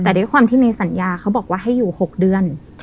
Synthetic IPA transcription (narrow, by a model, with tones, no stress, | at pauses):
t̪ɛː˨˩du˦˥˦kxwaː˧mt̪ʰiː˥˩na˧jsa˩˦njaː˧kʰa˦˥wbɔː˨˩k̚waː˥˩ɦa˥˩jːuː˨˩ho˨˩k̚dɯ˧ən